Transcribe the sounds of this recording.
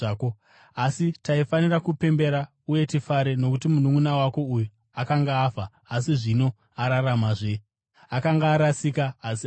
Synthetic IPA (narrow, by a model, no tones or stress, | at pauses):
ko | asitaifanirakupe̞mbe̞ɾa | uje̞tifaɾe̞no̞kutimunumunawako̞ujo | akaŋɡaːfaː | siʐino̞ | aɾaramaʐe | akaŋɡaːɾasikaːs